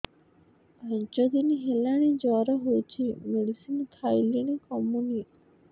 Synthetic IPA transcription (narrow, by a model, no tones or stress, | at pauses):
əɲt͡ʃɔd̪iniɦelaɽ̃id͡ʒɔɾəɦot͡ɕʰimeɽisinkʰajliñikɔmuni